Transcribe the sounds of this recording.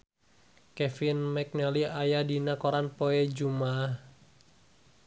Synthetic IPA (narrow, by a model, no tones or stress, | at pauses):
kɛfinmɛk̚nɛliajadinakoɾanpoɛd͡ʒumah